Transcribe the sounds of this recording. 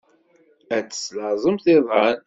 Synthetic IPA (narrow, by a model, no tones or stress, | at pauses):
æt͡sːə̥sləzˤəmθɪðˤɑn